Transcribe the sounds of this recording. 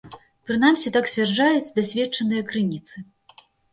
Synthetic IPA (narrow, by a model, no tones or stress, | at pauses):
pɾɨn̪amsʲit̪aksʲvʲard͡ʐajut͡sʲd̪asʲvʲɛt͡ʂɐnɨjɐkɾɨnʲit̪sɨ